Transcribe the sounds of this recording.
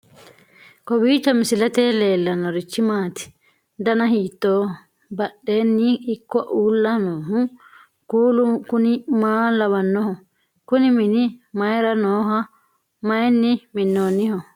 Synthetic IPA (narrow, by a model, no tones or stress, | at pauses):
kɔbiːt͡ʃːɐmɪsɪlɐt̪eːle̞ːlːɐnːɔɾɪt͡ʃːɪmaːt̪ɪ̥ | d̪ɐnɐhiːt̪ːoː | bɐɗeːnːɪːkːɔʔuːlːɐnoːɦʊ | kuːlʊkʊnɪmaːlɐβɐnːɔhɔ | kʊnɪmɪnɪmɐjɾɐnoːɦɐ | mɐjnːɪmɪnːoːnːɪhɔ